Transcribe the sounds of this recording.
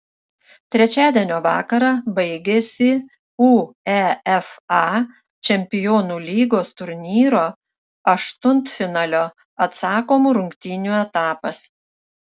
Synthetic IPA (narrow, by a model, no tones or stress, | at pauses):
t̪ʲɾʲɛt͡ʃʲæːd̪ʲiɛnʲoːʋɑ̰ːkɐɾɑbɐɪɡʲɛsʲɪ | uːɛɛfɑ | t͡ʃʲɛmʲpʲɪjoːnuːlʲiːɡoːst̪ʊɾʲnʲiːɾoː | ɐʃt̪ʊnt̪fʲɪnɑːlʲoː | ɐt̪sɑːkoːmuːɾʊŋʲkt̪ʲɪnʲuɛt̪ɑːpɐs